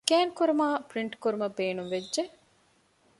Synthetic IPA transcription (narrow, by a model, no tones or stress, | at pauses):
ɡæːnkuɾumaːpɾiɳʈkuɾumɐbeːnuŋʋed͡ʒʒe